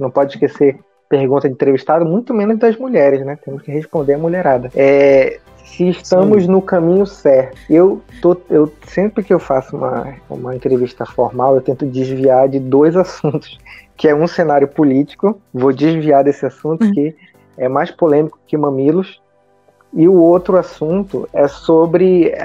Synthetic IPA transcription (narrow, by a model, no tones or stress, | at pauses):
nɐ̃w̃pɔd͡ʒɪiʃkeseɾ | pehɡũnt̪ɐĩt̪ɾeviʃt̪ad̪ɐmũj̃t̪ʊmẽnʊzd̪ɐzmuʎɛɾɪznɛt̪ẽmʊʃkɪɦeʃpõnd̪eɾɐmuleɾad̪ɐɛ | sɪːʃt̪ɐ̃mʊznʊkɐ̃mĩɲʊsɛht̪ʊ̥ewt̪oewsẽmpɾɪkɪewfasʊṵ̃mɐ̰ṵ̃mɐẽnt̪ɾeviʃt̪ɐfoɾmawewt̪ẽnt̪ʊd͡ʒɪzviaɾd͡ʒɪd̪ojzasũnt̪ʊ̥skɪɛũsẽnaɾjʊpolit͡ʃi̥kʊvod͡ʒɪzviad̪esɪasũnt̪ʊkɪ | ɛmajʃpolẽmikʊ̥kɪmɐ̃milʊs | ɪʊowt̪ɾʊasũnt̪ʊ̰ɛsobɾɪ